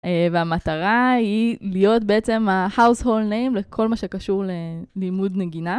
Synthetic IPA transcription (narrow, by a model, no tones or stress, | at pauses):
eveamataʁailijo̞tbeet͡se̞mahawsholdnejmle̞kʰo̞lmaʃe̞kaʃuʁlelimudne̞ɡina